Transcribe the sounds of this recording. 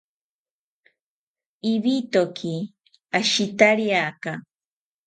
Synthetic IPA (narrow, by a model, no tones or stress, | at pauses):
iβit̪okʰi | aʃit̪aɾjaka